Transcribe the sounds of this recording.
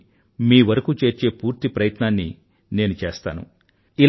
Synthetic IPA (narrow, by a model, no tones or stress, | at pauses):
miːʋɐɾɐkuːt͡ʃe̞ːɾt͡ʃe̞ːpuːɾt̪ipɾɐjɐt̪naːnːḭ | ne̞ːnut͡ʃe̞ːst̪a̰ːnṵ | il